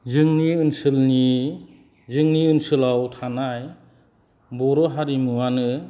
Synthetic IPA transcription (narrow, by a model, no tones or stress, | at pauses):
zɯŋniɯnsɯlni | zɯŋniɯnsɯlawtʰanaj | bɔɾɔɦaɾimuwanɯ